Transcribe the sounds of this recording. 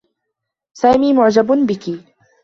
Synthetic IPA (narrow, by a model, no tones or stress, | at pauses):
saːmiːmʊʕd͡ʒabbɪki